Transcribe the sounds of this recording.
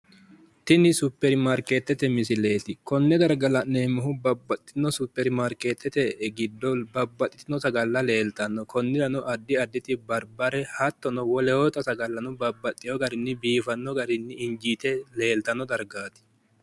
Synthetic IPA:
t̪ɪnɪsʊpːɛɾɪmɐɾkeːt̪ːɛt̪ɛmɪsɪle̞ːt̪ɪkɔnːɛd̪ɐɾɡɐlɐnneːmɔɦʊbɐbːɐt̪ʼːɪnːɔsʊpːɛɾɪmɐɾkeːt̪ʰːɛt̪ɛɡɪd̪ːɔbɐbːɐt̪ʼːɪ̥t̪ɪnɔtɐɡɐlːɐle̞ːlt̪ɐnːɔkʰɔnːɪɾɐnʊʔɐd̪ːɪɐd̪ːɪt̪ɪbɐɾbɐɾɛhɐt̪ːɔnɔwɔlɛɔt̪ɐsɐɡɐlːɐnʊbɐbːɐt̪ʼːɪjɔɡɐɾɪnːɪbiːfɐnːɔɡɐɾɪnːɪɪnd͡ʒiːt̪ɛle̞ːlt̪ɐnːɔd̪ɐɾɡaːt̪ɪ̥

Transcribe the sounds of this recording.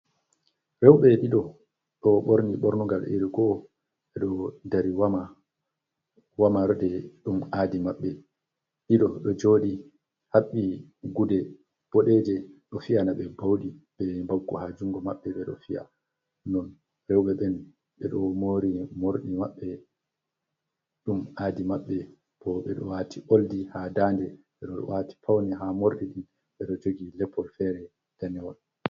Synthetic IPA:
ɾɛwɓɛɗiɗɔ | ɗɔɓoɾniɓɔɾnuŋɡalʔḭɾiɡɔ | ɓɛɗɔdaɾiwama | wamaɾdɛɗumaːdimaɓːɛ | ɗiɗɔɗɔd͡ʒoːɗi | haɓːiɡudɛ | b̥ɔɗɛd͡ʒɛɗɔfianaɓɛbawɗiɓɛmbaɡːuhad͡ʒuŋɡɔmaɓːɛɓɛɗɔ̰fia̰ | nɔn | ɾɛwɓɛɓɛn | ɓɛɗɔmoɾimoɾɗimaɓːɛ | ɗumʔaːdimaɓːɛ | pʰɔɓɛ̰ɗɔ̰waːtʰiʔoldihadaːndɛ | ɓɛɗɔɗɔ̰wati̥pʰawniɦamoɾɗiɗin | ɓɛɗɔd͡ʒoɡilɛpʰːɔlfɛɾɛ | d̥anɛwɔl

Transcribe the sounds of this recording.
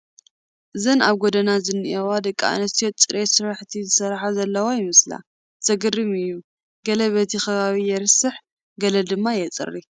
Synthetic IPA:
ʔɨzɐnaβɡod̪ɐnazɨnːɨʔɛwad̪ɐkʼːa̰ʔnɐst̪ʰijot͡sʼɨɾʔesɨɾaħt̪ʰizɨsɐɾħazɐlːɐwajɪmɨsla̰ | t̪ʰɐɡɨrːɨmɨjːu | ɡɐlɐβɐt̪ʰixɐβaβijɛɾɨsɨħ | ɡɐlɐd̪ɨmːajɛt͡sʼɨ̰rːi

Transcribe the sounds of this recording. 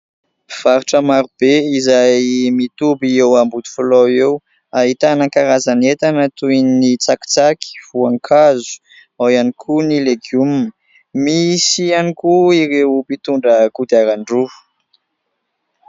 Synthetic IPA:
v̥aɾuʈ͡ʂəmaɾub̥eizajmit̪ubiewambud̪i̥fulowew | aɦit̪anakaɾazanet̪anət̪uininit͡saki̥t͡saki̥v̥uaŋkʰazu̥ | awianikʰunileɡumn | misianikuiɾewupit̪uɳɖ͡ʐəkud̪iaɾaɳɖ͡ʐu̥

